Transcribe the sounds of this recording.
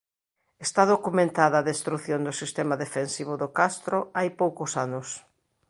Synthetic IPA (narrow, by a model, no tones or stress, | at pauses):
est̪aðokumẽnt̪aðɐːðest̪ɾuθjond̪ʊsist̪ɛmɐðefensiβ̞ʊðʊkast̪ɾʊajpowkʊsanʊs